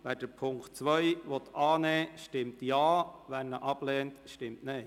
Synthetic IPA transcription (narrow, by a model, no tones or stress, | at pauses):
ʋæːd̥əɾpʰʊŋktt͡sʋœjʋɔt̪ɑːnɛːʃtɪmtjɑːʋæɾnəʔɑb̥lɛːntʃtɪmtne